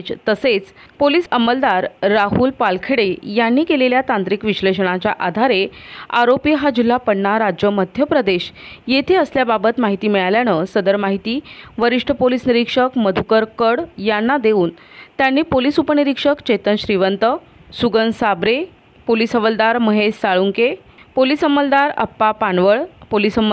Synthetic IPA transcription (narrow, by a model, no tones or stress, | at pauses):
t͡ɕt̪əset͡spoliːsəməld̪aɾːaɦulpalkʰeɽejanːiːkeleljat̪ant̪ɾikʋiɕleɕəɽ̃at͡ɕjaʔad̪ʱaɾea̰ɾopiɦad͡ʑil̤ːapəɽɳaɾad͡ʑjəməd̪ʱjəpɾəd̪eɕjet̪ʰeəsljababət̪maɦit̪iːmiɭaljanəsəd̪əɾmaɦit̪iːʋəɾiʂʈʰəpolisniɾikʂəkməd̪ʱukəɾkəɽjanːad̪euːnt̪janːiːpolisupəniɾikʂəkt͡ɕejt̪ənɕɾiʋənt̪ə | suɡənsabɾe | polisəʋəld̪aɾməɦessaɭuŋke | polisəmːəld̪aɾə̰pːapaɳʋəɭpolisəmə